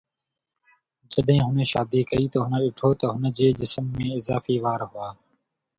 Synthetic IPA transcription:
d͡ʒəɗɦɪ̃ːɦʊnʃaːd̪iːkəiːt̪əɦʊnəɗɪʈʰoːt̪əɦʊnd͡ʑeːʄɪsmːẽːɪzaːfiːʋaːɾɦʊaː

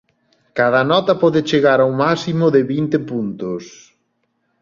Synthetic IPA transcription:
kað̞ɐnɔt̪ɐpɔðɪt͡ʃeɣaɾawmasimʊðɪβint̪ɪpunt̪ʊs

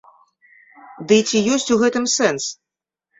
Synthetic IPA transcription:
d̪ɨt͡sʲijɔsʲt͡sʲuɣɛt̪ɨmsɛns

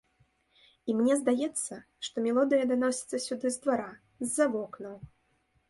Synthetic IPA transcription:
imnʲɛzd̪ajɛt̪sːɐ | ʂt̪ɔmʲɛlˠɔd̪ɨjɐd̪anɔsʲɐ̥t̪sːɐsʲud̪ɨzd̪vaɾa | zʲːavɔknɐw

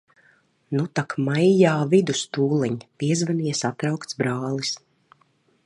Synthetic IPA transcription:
nut̪akmajjaːvid̪ust̪uːlˠɛɲpiɛzvaniɛsat̪ɾawkt̪sbɾaːlˠis

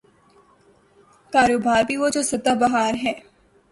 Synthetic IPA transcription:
kaːɾoːbaːɾbʱiʋod͡ʒoːsɐt̪əbɐɦaːɾɦɛː

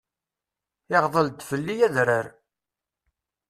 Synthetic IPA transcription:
ɪʁðˤəlt̪fəlːijæðɾəɾ

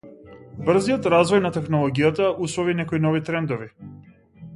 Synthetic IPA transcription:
br̩zijɔt̪ɾazvɔjnat̪ɛxnɔlˠɔɡijat̪aʔuslɔvinɛkɔinɔvit̪ɾɛnd̪ɔvi

